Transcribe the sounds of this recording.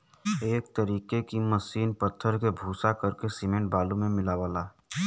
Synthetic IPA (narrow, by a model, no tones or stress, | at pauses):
eːk̚t̪əɾiːkekiməsiːnpət̪ʰːəɾkebʱuːsakəɾkesɪmẽɳʈ̚baːlũmẽmɪlaʋaːlaː